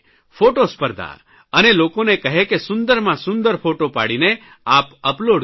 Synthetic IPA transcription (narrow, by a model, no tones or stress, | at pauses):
fʰoʈospəɾd̪ʱa̰ | ənelokonekəɦekesʊnd̪əɾmãsʊnd̪əɾpʰoʈopa̰ɽine | apəploɖ